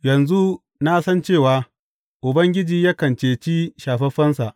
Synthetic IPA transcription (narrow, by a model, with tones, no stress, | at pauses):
jɐ˨nzu˦ | na˦sɐ˦nt͡ʃeː˦˨waː˨˦ | ʔʊ˨bɐ˦ŋɡʲɪ˦d͡ʒiː˨jaː˦kɐ˨nt͡ʃeː˨t͡ʃi˦ʃaː˨ɸɛ˦ɸɐ˦nsa˨ʔ